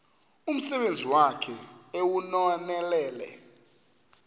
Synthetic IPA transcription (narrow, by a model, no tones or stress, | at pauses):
um̩sɛɓend͡zʱiwakʰɛewunɔnɛlɛːlɛ̰